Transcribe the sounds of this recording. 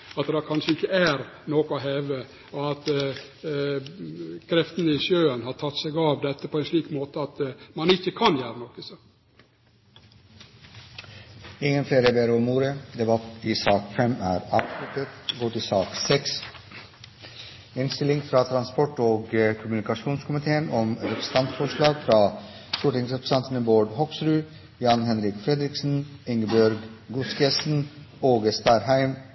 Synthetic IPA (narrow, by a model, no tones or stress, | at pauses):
ɑt̪d̪ɑkʰɑnʂəɪçːəæɾnoːkʊoɦeːʋə | ɔɑt̪ | kʰɾɛft̪ənəɪʃjøːənhɑːɾʈʰɑt̪ːsɛɡɑʋd̪ɛt̪ːəpʰɔɛnʂliːkmoːt̪əɑt̪mɑnɪçːəkʰɑnjæːɾənɔkːəso | ɪŋːənfleːɾəbeːɾumuːɾəd̪ɛbɑt̪ɪsɑːkfɛmæ̰ːɾɑbslʉt̪et̪ɡoːʈɪsɑːksɛks | ɪnst̪ɪlɪŋfɾɑːt̪ʰɾɑnspɔʈoːɡəkʰʊmʉnɪkɑʃuːnskʰʊmɪt̪ʰeːənɔmɾɛpɾəs̩t̪ɑnt̪fɔʂɭɑːɡfɾɑː | ʃʊʈɪŋsɾɛpɾəsɑnt̪ən̩əboːɖhɔksɾʉː | jɑːnhɛnɾɪkfɾɛd̪ɾɪksn̩ɪŋəbœɾɡɡʊskesn̩ | oːɡəst̪ɑɾhæɪm